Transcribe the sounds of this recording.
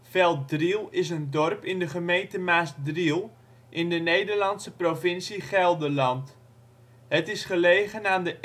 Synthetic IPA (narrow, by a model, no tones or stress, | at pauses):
fɛlˠt̚drilˠɪsəndɔrpɪndəχəmejntəmaːsdrilˠ | ʔɪndənejdərlɑnsəprovɪnsiχɛlˠdəlɑnt | ɦətɪsχəleːχənaːndə